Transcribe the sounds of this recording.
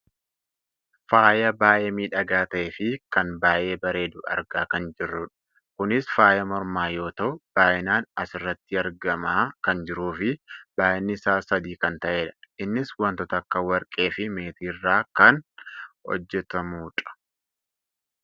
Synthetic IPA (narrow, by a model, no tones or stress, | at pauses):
faːjɐbaːʔeːmiːᶑɐɡaːt̪ɐʔeːfɪkɐnbaːʔe̞ːbɐɾeːd̪ʊɐ̰ɾɡaːkɐnd͡ʒɪrːʊᶑɐ̥ | kʊnɪsfaːjɐmɔɾmaːjo̞ːt̪ɐʔʊb̥aːʔɪnaːnɐsɪrːɐt̪ːɪɐɾɡɐmaːkɐnd͡ʒɪɾuːfɪb̥aːʔɪnːɪsaːsɐd̪iːkɐnt̪ɐʔe̞ːᶑɐ̥ɪnːɪswɐnt̪ɔt̪ɐɐkːɐwɐɾkʼe̞ːfɪme̞ːt̪iːrːaːkɐnhɔ̰d͡ʒːɛt̪ɐmuːᶑɐ̥